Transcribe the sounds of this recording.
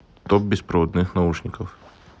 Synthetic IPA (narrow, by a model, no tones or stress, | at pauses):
t̪ɔp̚bʲɪspɾəvɔd̪nɨxnɐuʂnʲɪkəf